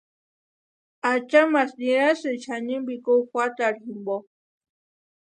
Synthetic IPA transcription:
at͡ʃamasniɾasɨt͡ʃʰaɲimbikokʷat̪aɾximbo

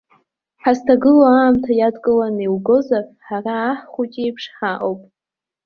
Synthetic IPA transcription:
ħastʰaɡɨloaːmtʰajadkʼɨlaniwɡozarħaraːħχʷut͡ʃʼejpʰʂħaʔowpʼ

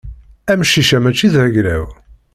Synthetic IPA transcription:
æmʃiʃæmæt͡ʃːiðhæʝɾæ̰w

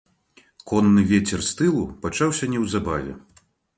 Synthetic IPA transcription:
kɔnːɨvʲet͡sʲɛrst̪ɨlˠupat͡ʂawsʲɐnʲɛwzabavʲɛ̰

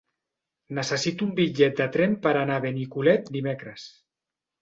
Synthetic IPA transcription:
nəsəsit̪uumbid͡ʒɛt̪̚d̪ət̪ɾempəɾanaβenikulɛt̪̚d̪imekɾəs

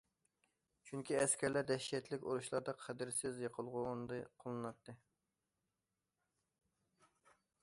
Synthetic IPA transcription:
t͡ʃʰyŋkʲiɛskʲʰɛɾlæɾd̪ɛʃɛt̪ʰlɪkʲoɾuʃlˠɑɾd̪ɑqʰæd̪ɪɾsɪzjeqʰəlˠʁʊːnd̪ɨqʰolˠɨnɑt̪ʰːɨ

